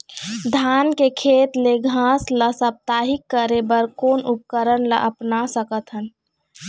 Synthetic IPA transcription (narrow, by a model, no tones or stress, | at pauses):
d̪ʱaːnkekʰeːt̪leɡʱãsləsəp̚t̪aːɦikːəɾebəɾkoːnup̚kəɾənlə̰ʔəpnasəkət̪ɦən